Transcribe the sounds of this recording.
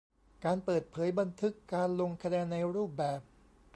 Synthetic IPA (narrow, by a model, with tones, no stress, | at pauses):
kaː˧npɤː˨˩t̪̚pʰɤː˩˦jba˧nt̪ʰɯ˦˥kːaː˧nlo˧ŋkʰa˧nɛː˧nːa˧jɾuː˥˩p̚bɛː˨˩p̚